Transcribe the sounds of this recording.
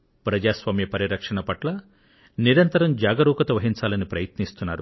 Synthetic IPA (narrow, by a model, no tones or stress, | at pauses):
pɾɐd͡ʒaːsʋaːmjɐpɐɾiɾɐkʂɐɳɐpɐʈlɐ | niɾɐnt̪ɐɾɐmd͡ʒaːɡɐɾuːkɐt̪ɐʋɐɦiɲt͡ʃaːlɐnipɾɐjɐt̪nist̪unːaːɾu